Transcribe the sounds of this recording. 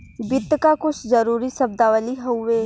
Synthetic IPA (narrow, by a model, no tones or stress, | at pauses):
bɪt̪ːkakʊt͡ʃʰzəɾuːɾisɐb̚d̪aʋəliɦoʋeː